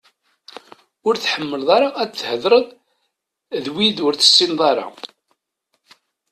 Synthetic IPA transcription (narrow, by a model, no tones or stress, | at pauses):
ʊɾθħəmːəlðˤɑɾˤɑæθhəðɾˤəðˤ | ðwiðʊɾθə̥sːinðˤɑɾˤɑ̰